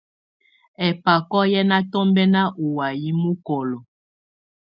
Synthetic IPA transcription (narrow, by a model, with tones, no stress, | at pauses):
ɛ˨pa˨kɔ˦jɛ˦na˦tɔ˦mbɛ˦na˦ʔo˨wa˨ji˦mu˦kɔ˨lɔ˨